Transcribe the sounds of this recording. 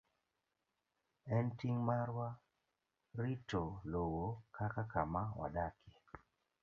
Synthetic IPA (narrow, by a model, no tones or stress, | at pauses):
ɛntiŋmaɾwa | ɾitolowokakakamawa̰dake